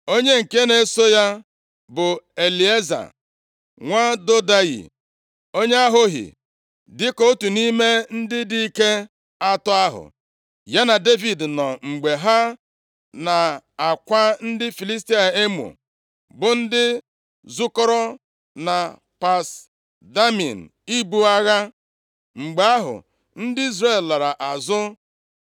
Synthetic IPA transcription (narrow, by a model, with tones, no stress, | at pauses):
o˦ɲe˦ŋ̩˨ke˦ne˨˦so˦ja˦ | bʊ˨e˨li˨e˦za̰˨ | ŋʷa˦do˦da˦jḭ˨ | o˦ɲe˦a˦ɦʊ˦ɦɪ̰˨ | dɪ˦ko˦tu˨ni˦me˦n̩˦dɪ˦di˦i˦ke˦ | a˦tɔ˦a˦ɦʊ̰˨ | ja˦na˨de˦vi˨dnɔ˨ŋ͡m̩˨ɡ͡be˨ɦa˦ | na˨a˨kʷa˦n̩˦dɪ˦fi˨li˦s̬ti˦a˨e˦mṵ˨ | bʊ˨n̩˦dɪ˦ | zʊ˦kɔ˦ɾɔ˦ | na˨ | pa˨s | da˦mḭ˨n̩˨i˦bu˦a˦ɣa˦ | ŋ͡m̩˨ɡ͡be˨a˦ɦʊ̰˨ | n̩˦dɪ˦i˦zɾe˦˨lla˨ɾa˨ʔa˨zʊ˦